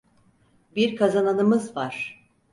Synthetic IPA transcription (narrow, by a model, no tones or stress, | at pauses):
biɾkʰazananɯmɯzvaɾ̥